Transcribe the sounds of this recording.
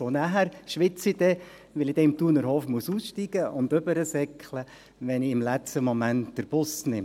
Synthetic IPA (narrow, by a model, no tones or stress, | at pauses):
onæɦæɾʃʋɪt͡sid̥ɛ | ʋɪlid̥ɛɪmtuːnəɾhoːfmuəsuːsʃtiɡ̥əʔʊnd̪øbəɾəsɛkχlə | ʋɛniɪmlɛt͡stəmɔmæntd̥əɾb̥ʊsnɪm